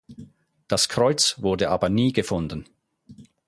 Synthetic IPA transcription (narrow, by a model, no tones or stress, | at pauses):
d̥askʰʁ̥ɔʏt͡svʊɐdəʔaːbɐniːɡəfʊndən